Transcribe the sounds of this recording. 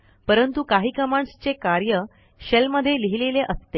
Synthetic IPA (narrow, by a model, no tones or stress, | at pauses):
pəɾənt̪ukaɦiːkəmaɳst͡ɕekaɾjə | ɕelməd̪ʱːjeliɦileleʔəst̪e